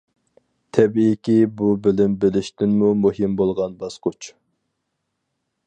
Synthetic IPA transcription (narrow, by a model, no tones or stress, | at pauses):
t̪ʰɛbiːkʲibubɪlɪmbɪlɪʃt̪ɪnmumuɦɪmbolˠʁɑnbɑsqʊt͡ʃ